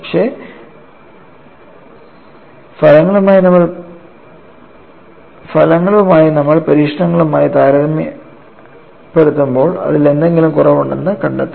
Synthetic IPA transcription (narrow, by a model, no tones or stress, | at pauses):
pɐkʂe̞ː | fɐlɐŋːɐɭumaːjinɐmːɐɭ | fɐlɐŋːɐɭumaːjinɐmːɐɭpɐɾiːʂɐɳɐŋːɐɭumaːjit̪aːɾɐðɐmji | peɽut̪ːumbo̞ːɭɐ̰ðile̞nd̪e̞ŋɡilumkurɐʋuɳɖenːɨkɐɳɖɐt̪ːi